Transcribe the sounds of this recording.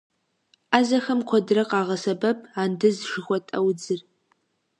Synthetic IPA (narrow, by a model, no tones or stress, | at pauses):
aːzɐxɐmqʷʰɔdrɐqʼaːʁɐsɐbɐpʰʼaːndɨzʃɨxʷɔtʼɐwd͡zɨr